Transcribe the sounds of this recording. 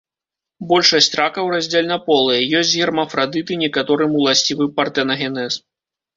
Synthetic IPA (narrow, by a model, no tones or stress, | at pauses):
bɔlʲʂɐsʲt͡sʲɾakɐwrazʲd͡zʲelʲnɐpɔlˠɨjɐjɔsʲt͡sʲɣʲɛrmɐfɾad̪ɨt̪ɨnʲɛkat̪ɔɾɨmulˠasʲt͡sʲivɨpart̪ɛnɐɣʲɛnɛs